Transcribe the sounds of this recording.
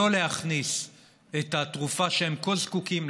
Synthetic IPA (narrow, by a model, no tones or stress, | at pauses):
o̞le̞haχnis | etat̪ʁufaʃeemkozkukim